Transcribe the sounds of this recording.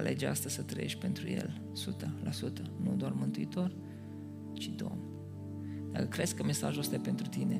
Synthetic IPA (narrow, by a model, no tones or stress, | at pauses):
lʔe̞d͡ʒea̰st̪əz̥ʲsət̪ɾəje̞̰ʃt̪̚ʲpe̞nt̪ɾuje̞̰l | sut̪əlʔasut̪ənud̪oarmɨnt̪uit̪o̞r | t͡ʃid̪o̞̰m | d̪̥akəkɾe̞d̪skəme̞sa̰ʒost̪ajepe̞nt̪ɾut̪ine̞